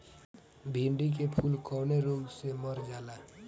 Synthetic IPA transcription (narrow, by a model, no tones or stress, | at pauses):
bʱiɳɖik̬epʰulkʰɔwneɾoɡseməɾd͡ʒala